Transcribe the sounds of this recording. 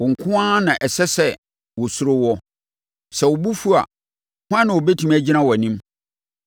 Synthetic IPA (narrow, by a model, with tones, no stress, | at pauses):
wɔ˨ŋ̩˨kʰʊ̃˦ã˦nã˨ʔɛ˨sɛ˦sɛ˦˨ | wɔ˨sʊ˦ɾʊ˦wɔ˦ | sɛ˨wɔ˨bu˦fu˦a̰˨ | hʊ̃˦ã˦nã˨wɔ˨bɛ˦tʰũ˦mæ˦d͡ʑi˦nã˦wɔ˨æ˨nĩ˦m